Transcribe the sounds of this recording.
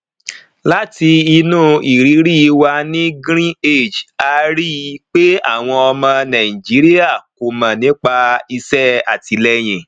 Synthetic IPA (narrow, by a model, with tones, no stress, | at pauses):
la˦ti˧i˧nũː˦i˨ɾi˨˦ɾi˦˧wa˧nĩ˦ɡɾ̃ĩ˦e˦˨d͡ʒa˧ɾi˦˧˦k͡pe˦a̰˦˨w̃ɔ̃˧ɔ˧mã˧nã˨i˨d͡ʒi˨˦ɾi˦a˦˨ko˨mã˨nĩ˨˦k͡pa˧i˧sɛ˦a˨ti˧lɛ˦j̃ĩ˨